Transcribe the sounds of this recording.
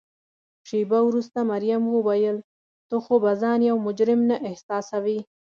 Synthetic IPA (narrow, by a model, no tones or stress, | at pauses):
ʃebawɾust̪amaɾjamwəwajəl | t̪oxobazɑnjawmʊd͡ʒɾɪmnaʔɪhsɑsawi